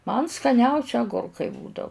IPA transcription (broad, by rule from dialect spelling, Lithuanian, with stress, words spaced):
mɐn skɐˈnʲɛʊsʲɪ ɐˈɡʊrkɐɪ ˈbuːdɐʊ